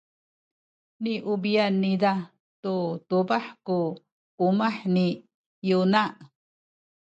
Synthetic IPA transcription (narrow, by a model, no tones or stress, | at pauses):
niʔubianːida | t̪ut̪ubaħku | umaħni | junaʔ